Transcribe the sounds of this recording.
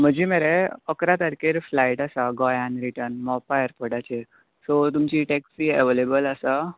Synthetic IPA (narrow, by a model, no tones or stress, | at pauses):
m̤əd͡ʑʱimeɾeəkɾat̪əɾkeɾflaiʈasaɡɔjanɾiʈəɾnmɔpajəɾpəɽat͡ɕe | sot̪umt͡ɕiʈeksieʋelebəlasa